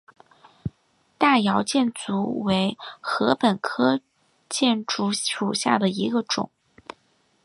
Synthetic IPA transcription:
t̪a˥˩jɑ˧˥ʊt͡ɕjɛ˥˩nt͡su˧˥we˧˥ɪxɤ˧˥pə˨˩nkʰɤ˥ | t͡ɕjɛ˥˩nʈ͡ʂu˥˩u˨˩ɕja˥˩d̪ə˩i˧˥ɡə˧ʈ͡ʂʊ̰˨˩˦ŋ

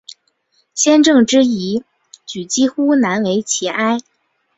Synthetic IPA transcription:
ɕjɛ˥nʈ͡ʂɤ˥˩ŋʈ͡ʂɻ̩˥i˧˥ | t͡ɕy˨˩t͡ɕi˥xu˥na˧˥nwe˧˥ɪt͡ɕʰi˧˩ʔa˥ɪ

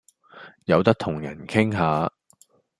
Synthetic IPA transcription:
jɐ˨˧wt̪ɐ˥k̚t̪ʰʊ˨˩ŋjɐ̰˨˩nkʰɪ˥ŋɦaː˨˧

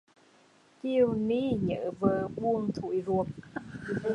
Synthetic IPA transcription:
ki˧əwni˧˥ɲə̰ː˧˥vəː˨˩ɓu˧əŋt̪ʰṵ˧˨jzu˨˩əm̚

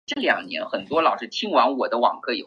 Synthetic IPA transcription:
ʈ͡ʂɤ˥˩ljɑ̰˨˩ŋnjɛ̰˧˥nxə˨˩nt̪wɔ˥lɑ˨˩ʊʂɻ̩˥t͡ɕʰi˥ŋwa˧˥ŋwɔ˨˩d̪ə˦wɑ̰˨˩ŋkʰɤ˥˩ji˨˩

